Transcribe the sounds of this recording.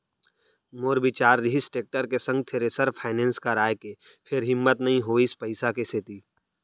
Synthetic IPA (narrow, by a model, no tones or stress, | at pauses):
moːɾbit͡ʃaːɾːɪɦɪsʈeːk̚ʈəɾkesə̃ŋɡ̚t̪ʰeɾesəɾpʰaːɪnẽːnskaɾaːjke | pʰɪɾɦɪmːət̪nɐɦĩɦoɪspəɪsakeset̪iː